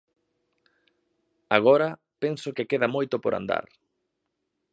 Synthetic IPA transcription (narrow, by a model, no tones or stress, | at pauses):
aɣ̞ɔɾɐ | pensokekeðɐmojt̪opoɾa̰nd̪a̰ɾ